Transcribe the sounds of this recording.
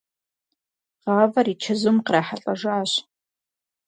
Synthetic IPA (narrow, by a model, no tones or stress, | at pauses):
ʁɑːvɐrit͡ʃʰɐzʊmqraːħaɬʼɐʒʷaːɕ